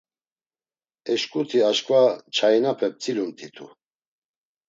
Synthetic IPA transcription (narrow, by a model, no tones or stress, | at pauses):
ɛʃkʼut̪ʰiaʃkʼvat͡ʃʰajnapʰɛp̚t͡sʰʼilumt̪ʰit̪ʰṵ